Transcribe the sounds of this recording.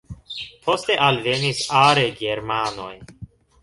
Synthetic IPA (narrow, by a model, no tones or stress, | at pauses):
pʰo̞ste̞ʔalve̞nisaɾe̞ɡe̞ɾmano̞̰j